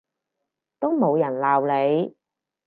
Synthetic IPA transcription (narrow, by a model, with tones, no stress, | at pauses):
t̪o˥wmo˨˧wjɐ˨˩nlaː˨wle˨˧j